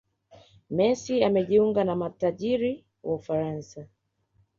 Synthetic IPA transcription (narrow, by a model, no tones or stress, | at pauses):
mɛsiamɛʄiuŋɡanamataʄiɾi | wʔaufaɾansa